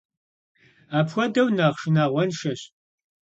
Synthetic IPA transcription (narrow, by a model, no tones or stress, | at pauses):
aːpxʷɔdɐwnaːχʃɨnaːʁʷɔnʃɐɕ